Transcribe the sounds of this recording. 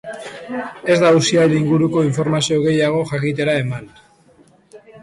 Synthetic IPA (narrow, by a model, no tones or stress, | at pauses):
e̞zd̪ausialiŋɡuɾuko̞iɱfo̞ɾmasioɣe̞jaɣ̞o̞xakit̪̬e̞ɾae̞man